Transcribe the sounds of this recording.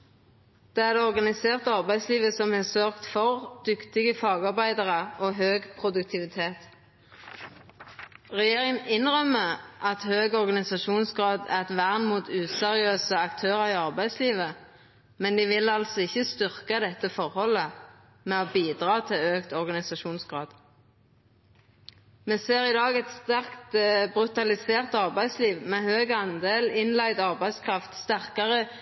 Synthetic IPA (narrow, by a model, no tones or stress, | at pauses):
d̪̥ɛæʁd̪ɛɔʁɡɑnɪseːʁt̪əɑʁbæɪsliːʋəsɔmhɛsøːʁkt̪fɔʁd̪̥ʏkt̪ɪɡəfɑːɡɑʁbæɪd̪əʁəoɦøːɡpʰʁʊd̪ʉk̚t̪ʰɪʋɪt̪ʰeːt̪ | ʁɛjeːʁɪŋənɪnʁœmːəʔɑt̪høːɡɔʁɡɑnɪsɑʃuːnsɡʁɑːd̪æ̰ʁɛt̪ʋæʁnmuːt̪ʉːsɛʁɪøːsəɑkt̪ʰøːʁəʁɪɑʁbæɪsliːʋə | mɛnd̪ɪʋɪlɑlsɔɪçːəst̪ʏʁkɑd̪ɛt̪ːəfɔʁhɔlə | mɛɔbiːd̪ʁɑːt̪ʰɪløːkt̪ɔʁɡɑnɪsɑʃuːnsɡʁɑːd̪̥ | meːseːʁɪd̪ɑːɡɛt̪st̪æʁkt̪bʁʉt̪ɑlɪseːʁt̪ɑʁbæɪsliːʋmɛhøːɡɑnd̪eːlɪnlæɪd̪ɑʁbæɪskʰʁɑft̪st̪æʁkɑʁə